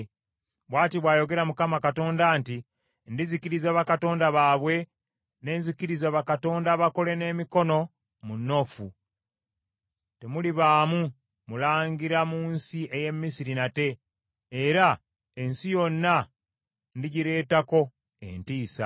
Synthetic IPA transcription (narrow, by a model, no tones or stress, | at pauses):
βwaːtiβwaːjo̞ɡe̞ɾamukamakato̞ːndanti | ndizikiɾizaβakato̞ːndaβaːβwe̞ | ne̞ːnzikiɾizaβakato̞ːndaβako̞le̞ne̞ːmiko̞no̞ | munːo̞fu | te̞muliβaːmu | mulaːŋɡiɾamuːnsiʔe̞je̞mːisiɾinate̞ː | ɾa | e̞nsijo̞nːa | ndiɟiɾe̞ːtako̞ | e̞̰ntiːsa̰